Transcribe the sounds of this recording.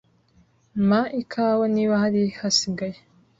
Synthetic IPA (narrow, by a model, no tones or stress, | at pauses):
maʔikʰawaniwahaɾihasiɡaje